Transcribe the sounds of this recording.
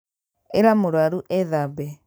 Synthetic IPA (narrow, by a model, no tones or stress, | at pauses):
eɾamoɾwaɾuʔɛðabɛ